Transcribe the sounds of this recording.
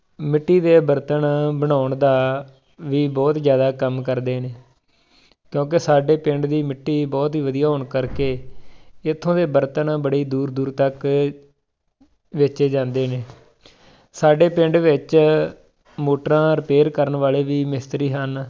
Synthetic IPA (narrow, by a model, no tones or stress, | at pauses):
mɪʈːiːd̪eːbəɾt̪əɳbəɽ̃aːʊɳd̪aː | ʋiːbɔːt̪zjaːd̪aːkəmkəɾd̪eːneː | kjõːk̬ɪsaːɖeːpɪ̃ɳɖd̪iːmɪʈːiːbɔːt̪ɦiːʋəd̪ijaːɦoɳkəɾkeː | ɪt̪ʰːõːd̪eːbəɾt̪əñːbəɽiːd̪uːɾd̪uːɾt̪ək | ʋɪt͡ʃeːd͡ʒãːnd̪eːneː | saːɖeːpɪ̃ɳɖʋɪt͡ʃ | moːʈɾãːɾɪpeːɾkəɾəɳʋaːleːʋiːmɪst̪ɾiːɦən